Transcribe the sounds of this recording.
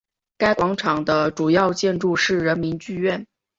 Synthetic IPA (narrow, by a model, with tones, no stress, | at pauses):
ka˥ɪkwɑ˧˥ŋʈ͡ʂʰɑ˨˩ŋd̪ə˦ʈ͡ʂu˨˩jɑ˥˧ʊt͡ɕjɛ˥˧nʈ͡ʂu˥˧ʂɻ̩˥˩ɻə˧˥nmi˧˥nt͡ɕy˥˧ɥɛ˥˩n